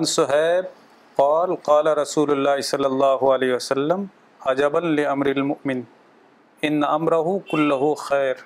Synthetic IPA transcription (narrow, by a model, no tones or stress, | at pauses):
ansʊɦɛːb̚ | qɑːlqɑːlɐɾˤɐsuːlʊlːaːɦɪsɐlːɐlˤːɑːɦʊɐleːɦɪwɐsɐlːɐm | ɐd͡ʒɐbɐnlɪʔɐmɾɪlmʊʔmɪn | ɪnːaʔɐmɾɐɦʊkʊlːɐɦʊxɛːɾ